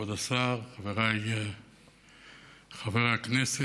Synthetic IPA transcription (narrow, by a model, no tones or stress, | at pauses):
od̪asaʁχaveʁaje | χaveʁaknese